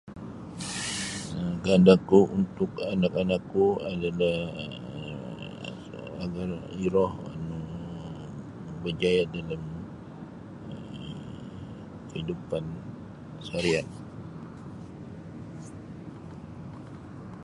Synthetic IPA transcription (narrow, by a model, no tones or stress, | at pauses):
əɡandakuʔunt̪ʊkanakanakːuadalah | aɡariɾɔha̰nu | bəd͡ʒajadalam | ə | kəhidupan | saɾiat̪̚